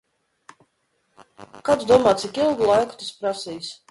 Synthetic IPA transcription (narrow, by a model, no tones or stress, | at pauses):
kapzd̪uɔmaːt̪sikilˠɡulˠajkʊ̥t̪aspɾasijs